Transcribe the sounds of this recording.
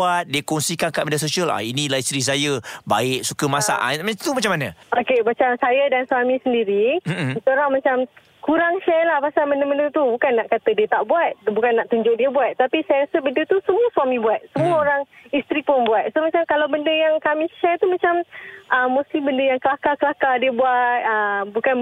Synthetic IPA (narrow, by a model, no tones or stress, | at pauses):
at̪̚diəkɔŋsikankaʔmedas̬osiala̰inĩlaist̪ɾis̬ajəba̰ɪk̚sukəmasa̰ʔa̰nmat̪umat͡ʃamːanə̃okemat͡ʃamsajadanswamĩsəndiɾimt̪oɾaŋmat͡ʃam | kuɾaŋʃɛrlahpasalməndəməndət̪ubukanːaʔkat̪ədiət̪aʔbuat̪̚bukanːaʔt̪uɲd͡ʒʊk̚diəbuat̪̚ːapisajaɾasəbəndət̪usəmuəsuwamĩbuat̪̚səmuəoɾaŋist̪ɾipʊnbuat̪̚somat͡ʃamkalawbəndəjaŋkamĩʃɛrt̪umat͡ʃamʔəmːõst̪ibəndəjaŋkəlakakəlakadiəbuat̪̚əmbukan